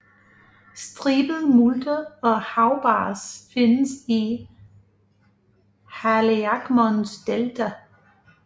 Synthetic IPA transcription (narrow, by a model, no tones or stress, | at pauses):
sd̥ʁiːb̥ð̩ˠmuld̥ɐɒ̽hɑ̈ʊb̥ɑːsfe̝nəsi | hæleaɡ̥mɔnsd̥eld̥ʰæ